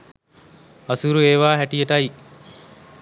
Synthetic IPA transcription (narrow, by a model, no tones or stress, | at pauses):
ɐsuɾueːʋaːɦæʈijeʈɐj